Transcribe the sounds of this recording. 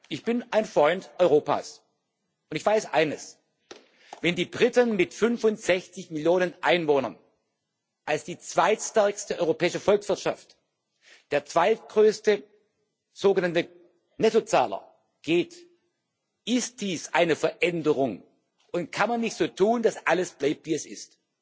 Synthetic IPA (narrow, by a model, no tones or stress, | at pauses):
ʔɪçb̥ɪnaɪnfʁ̥ɔʏntʔɔʏʁ̞oːpa̰ːs | ʔʊntɪçv̥aɪsʔa̰ɪnəs | vɛndiːbʁɪtənmɪtfʏnfʊntz̥ɛçt͡sɪçmɪljoːnənʔa̰ɪnvoːnɐ̰̃n | ʔalsd̥iːt͡sv̥aɪtstɛɐkstəʔɔʏʁopʰɛːɪʃəfɔlksv̥ɪɐtʃa̰ft | d̥eːɐt͡sv̥aɪtɡ̥ʁøːstə | z̥oːɡənantə | nɛtot͡sa̰ːlɐ̰ | ɡ̥eːt | ʔɪst̚d̥iːsʔa̰ɪnəfɛɐʔɛndəʁʊŋ | ʔʊntkʰanmanːɪçtz̥oːtʰuːndasʔaləsb̥laɪp̚tv̥iːɛsɪst